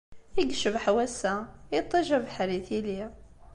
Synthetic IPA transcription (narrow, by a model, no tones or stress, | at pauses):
iɡʃəbħawæsait̪ˤːiʒabħaɾiθili